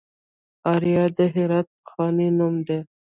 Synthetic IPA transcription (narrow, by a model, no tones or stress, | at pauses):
aɾijɑd̪əɦiɾat̪̚xɑːninumd̪e